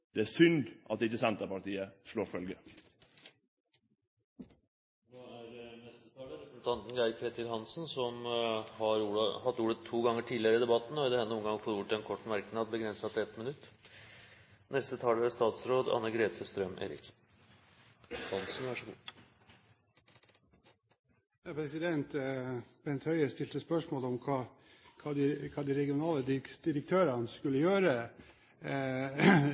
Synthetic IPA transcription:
d̪̥ɛæsʏnd̪ʔɑt̪ɪt̪ːəsɛnt̪əpɑʈiːəʂloːɾfœlɡə | ʋɑæɾnɛst̪ət̪ʰɑːləɾɛknt̪ʰɑnt̪n̩d̪æɾkʰɾet̪ɪlhɑnsnsɔmhɑɾuːhɑt̪ːuːɽət̪ʰːuːɡɑŋːəʈʰiːd̪lɪəɾəɪd̪ɛbɑt̪ːn̩ɔɪd̪ɛhɛnːəɔmŋɡɑŋfɔluːʈ̪ɛnkʰɔʈːmæɾknɑːd̪̚bəɡɾɛnsɑt̪ɛt̪mɪnʉt̪ː | nɛst̪ət̪ʰɑːləæst̪ɑːt̪sɾoːd̪ɑ̰nːəɡɾeːt̪ʰəst̪ɾœmʔḛːɾɪ̰k | d̪ɑnsn̩ʋæʂəɡṵː | jɑːpʰɾɛsɪd̪ɛnt̪b̥ɛnt̪hœʏəst̪ɪlt̪əspœʂmoːlɔmkʰɑː | kʰɑːd̪ɪkʰɑːd̪iɾɛɡɪʊnɑːləd̪ɪd̪̥ɪɾəkt̪ʰøːɾɑnəskʉlːəjøːɾə

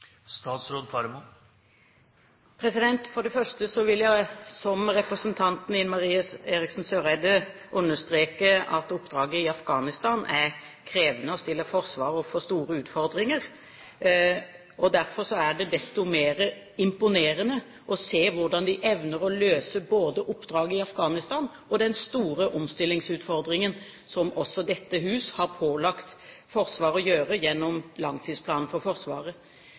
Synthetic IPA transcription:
st̪ɑːt̪sɾoːd̪fʰɑɾmu | pʰɾɛsɪd̪ɛnt̪fɔɖɛfœʂʈəsɔʋɪljæɪsɔmɾɛpɾəsənt̪ʰɑnt̪nɪnmɑɾiːɑseːɾɪksnsøːɾæɪd̪ə | ʔʉnːəʂt̪ɾeːkəɑt̪ʊpːd̪ɾɑːɡəɪɑfɡɑːnɪst̪ɑːnʔæɾ | kʰɾeːʋənəɔst̪ɪlːəfɔɾsʋɑːɾɔfɔst̪uːɾəʉːt̪fɔɾd̪ʁɪŋəɾ | ɔd̪æɾfɔʁsɔæɖɛd̪ɛst̪ʊmeːɾə | ɪmpʊneːɾənə | ʔɔseːʋʊʁɖɑnd̪ɪʔɛʋnəɾɔløːsəboːd̪əʔʊpːd̪ɾɑːɡəɪɑfɡɑːnɪst̪ɑːn | ɔd̪ɛnst̪uːɾəʔʊmst̪ɪlːɪŋsʉːt̪fɔɾd̪ɾɪŋən | sɔmʔɔsːɔd̪ɛt̪ːəɦʉːshɑɾpʰoːlɑkt̪fɔɾsʋɑːɾɔjøːɾəjɛnːɔmlɑŋt̪ʰiːspʰlɑːnn̩fɔɾfɔɾsʋɑ̰ːʁə

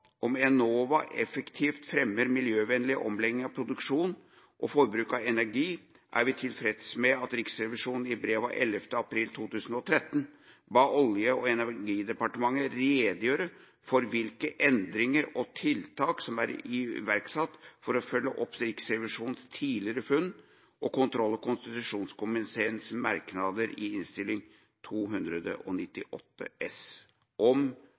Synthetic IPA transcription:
ʔɔmɛnoːʋɑʔɛfəkt̪ʰiːft̪fɾɛmːəɾmɪljøːʋɛnlɪʔɔ̰mlɛɡ̪ɪŋɑʋpʰɾʊd̪ʉkʂuːn | ʔɔfɔɾbɾʉːkɑɛnæɾɡiː | ʔæ̰ɾʋɪt̪ʰɪlfɾɛd̪əsmɛɑt̪ɾɪksɾɛʋɪʂuːnn̩ɪbɾeːʋɑ̰ʔɛləft̪əɑpʰɾiːlt̪ʰuːt̪ʰʉːsn̩ɔt̪ʰɾɛt̪ːn | ʋɑːʔɔljəɔɛnæɾɡiːd̪ɛpɑʈəmɑŋːəɾeːd̪əjøːɾə | fɔɾʋɪlkəʔɛnd̪ɾɪŋəɾɔt̪ʰɪlt̪ʰɑːksɔmæɾɪʋæɾksɑt̪ːfɔɾɔfœlːəʔɔpɾiːksɾɛʋɪʂuːnnst̪ʰiːlɪəɾəfʉnː | ʔɔkʊnt̪ʰɾɔlːɔkʊnst̪ɪt̪ʉʂuːnskʊmɪseːnsmɑɾknɑd̪əɾɪ̰ɪnst̪ɪlːɪŋ | t̪ʰuːɦʉnd̪ɾəd̪ə̰ʔɔnɪt̪ːɪʔɔt̪ːə̰ɛs | ʔɔm

